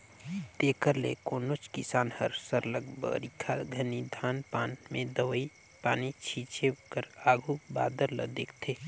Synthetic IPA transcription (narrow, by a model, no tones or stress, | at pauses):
t̪ekəɾlḛkoːnot͡ʃkisaːnhəɾsəɾləɡbə̰ɾikʰaɡʱənid̪ʱaːnpaːnmẽd̪əʋəi | paːnit͡ʃʰit͡ʃekəɾaːɡʱuba̰ːd̪əɾlə̰d̪eːkʰt̪ʰeː